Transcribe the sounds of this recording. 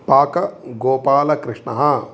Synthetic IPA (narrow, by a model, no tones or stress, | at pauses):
paːkɐɡoːpaːlɐkɾɪʂɳɐɦɐ